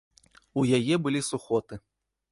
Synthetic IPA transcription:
ujajɛbɨlʲisuxɔt̪ɨ

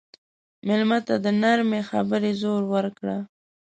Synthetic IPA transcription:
mɪlmat̪ad̪ənaɾmexa̰bəɾezoɾwəɾkɽa

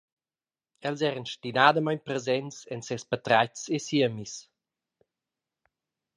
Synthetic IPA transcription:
ɛlzɛɾənʃtinad̪əmajɲpɾɛzɛnsɛnsɛspat̪ɾajt͡sesiəmis

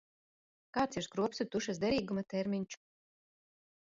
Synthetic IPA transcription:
kaːt̪siɾskɾuɔpsut̪uʃas̬d̪ɛɾiːɡumat̪ɛɾmʲiɲt͡ʃu̥

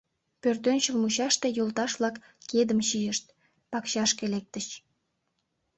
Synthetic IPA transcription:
pørt̪ønt͡ɕəlmuɕɑʃt̪e̽jolt̪ɑʃβlɑkː | ed̪əmɕijəʃt̪̚ | pɑkɕɑʃkelek̚t̪əɕ

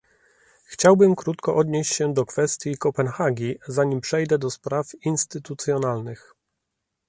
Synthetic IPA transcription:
xt͡ɕawbɘmkɾut̪kɔʔɔd̪ɲeɕt͡ɕɕɛd̪ɔkfɛst̪ʲjikɔpɛnxaɡʲizaɲimpʂɛjd̪ɛd̪ɔspɾafinst̪ɘt̪ut̪sʲjɔnalnɘx

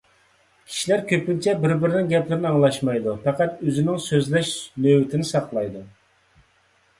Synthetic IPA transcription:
kʲʰi̥ʃilæɾkʲʰøpynt͡ʃʰɛbɪɾbɪɾɪnɪŋɡʲɛplɪɾɪnɪɑŋlˠɑʃmɑjd̪upʰæqæt̪øzɪnɪŋsøzlɛʃnøwɪt̪ʰɪnɪsɑqlˠɑjd̪u

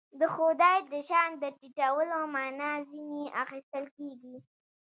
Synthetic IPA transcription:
d̪əxod̪ɑjd̪əʃɑnd̪əʈiʈawəlomɑnɑziniaxist̪əlkeɡi

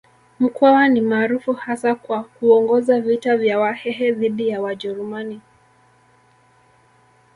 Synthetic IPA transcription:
m̩kwawanimaːɾufuhasakwakuɔŋɡɔzavitavjawahɛɦɛðiɗijawaʄɛɾumani

